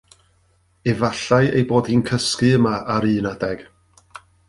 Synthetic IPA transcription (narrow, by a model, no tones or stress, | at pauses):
ɛvaɬajejboːd̥hiːnkʰəskɨəmaaɾɨːnadɛɡ̥